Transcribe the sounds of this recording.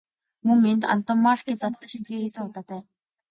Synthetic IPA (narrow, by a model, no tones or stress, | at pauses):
mɵŋent̪a̰n̥t̪ʊmːarkiːt͡sat̪ə̆ʃiɮiːxiːsɘ̆ŋʊt̪aːt̪æː